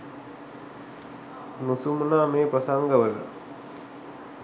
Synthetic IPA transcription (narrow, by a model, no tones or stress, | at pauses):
nusumnaːmeːpəsaŋɡəʋələ̰